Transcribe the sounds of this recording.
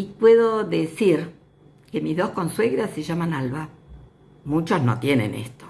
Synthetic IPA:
ipweðoðesiɾ | kemizðo̞sko̞nsweɣɾaseʒamanalβa | mut͡ʃoznot̪jenḛnḛst̪o

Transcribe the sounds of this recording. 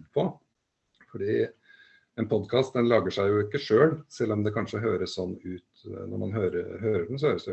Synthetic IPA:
pʰɔ | fɔɖiː | ɛnpʰɔd̪kʰɑːst̪d̪ɛnlɑːɡəʂæɪjʊɪkːəʂøːlsɛlːɔmd̪ɛkʰɑnʂəɦøːɾəssɔnːʉːt̪nɔ̰ɾmɑ̰nɦøːɾəɦøːɾəɾʉːn̩s̬ɔhøːɾəsd̪ɛ

